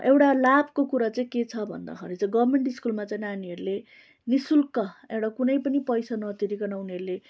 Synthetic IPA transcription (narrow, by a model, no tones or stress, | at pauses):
ʔewɽalab̚ʱkokuɾat͡saĩket͡sʰʌbʱʌ̰nd̪a̰kʰʌɾit͡sʌĩɡʌbmeɳʈiskulmat͡saj̃ĩnaniɦʌɾule | nisulkʌewʈakunʌjpʌnipʌjsanʌt̪iɾikʌnauniʌɾule